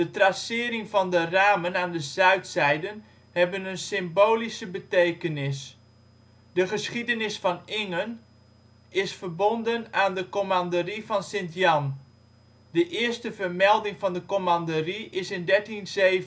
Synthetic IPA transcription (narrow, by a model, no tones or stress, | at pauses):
d̥ətrasɪəɾɪŋvɔndəraːmənaːndəzœɥtsɛjdən | hɛbənənsɪmboːlisəbətejkənɪs | dəχəsχidənɪsfɔnɪŋən | ɪsfərbondənaːndəkomandərifɑnsɪntjɑn | dəʔɪəstəvərmɛlˠdɪŋfɑndəkomandəriɪsɪndɛɹtinzeːv